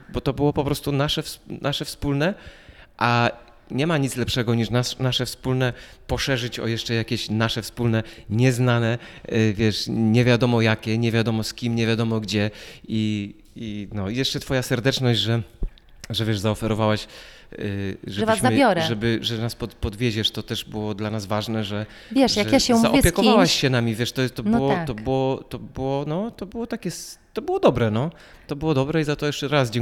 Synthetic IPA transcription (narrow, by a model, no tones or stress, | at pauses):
bɔt̪ɔbɨwɔpɔpɾɔst̪unaʂɛfsnʔaʂɛfspulnɛ | ʔa | ɲɛmaɲit̪lɛpʂɛɡɔɲiʂnasnaʂɛfspulnɛpɔʂɛʐɘt͡ɕɔ̰jɛʂt͡ʂɛjakʲɛɕnaʂɛfspulnɛɲɛznanɛvʲjɛʂɲɛvʲjad̪ɔmɔjakʲɛɲɛvʲjad̪ɔmɔskʲimɲɛvʲjad̪ɔmɔɡd͡ʑɛi | inɔjɛʂt͡ʂɛt̪fɔjasɛɾd̪ɛt͡ʂnɔʑd͡ʑʐɛ | ʐɛvʲjɛʐzaɔfɛɾɔvawaɕ | ʐɛʐbvazɕmːajɔɾɛʐɛbɘʐɛnaspɔt̪pɔd̪vʲjeʑɛʂt̪ɔt̪ɛʐbɨwɔd̪lanazvaʐnɛʐɛ | vjɛʂjaɛjaɕɛumzaʔɔpʲjkɔvawaɕɕɛnamʲivʲjɛʂt̪ɔt̪ɔnb̪wɔt̪ɔbɨwɔt̪ɔbɨwɔnɔt̪ɔbɨwɔt̪akʲɛst̪ɔbɘwɔd̪ɔbɾɛnɔ | t̪ɔbɘwɔd̪ɔbɾɛizat̪ɔjɛʂt͡ʂɛɾasd͡ʑɛ̃ŋ